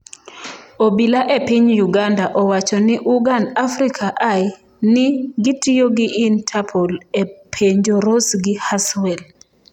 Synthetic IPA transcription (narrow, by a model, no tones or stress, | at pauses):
obilaʔepiɲjuɡandaʔɔwat͡ʃɔnɪʔuɡandafrikʰaʔaj | nɪɡitijoɡɪʔintʰapʰɔlepʰeɲd͡ʒoɾosɡɪhaswɛl